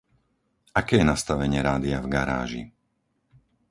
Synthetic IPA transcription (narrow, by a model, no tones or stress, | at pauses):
akɛːjɛnast̪aʋɛɲɪɛɾaːd̪iavɡaɾa̰ːʒḭ